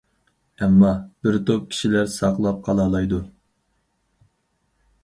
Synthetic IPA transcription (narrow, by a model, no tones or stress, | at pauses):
ɛmːɑb̥ɪɾt̪ʰop̚kʲʰi̥ʃilæɾsɑqlˠɑp̚qʰɑlˠɑːlˠɑjd̪u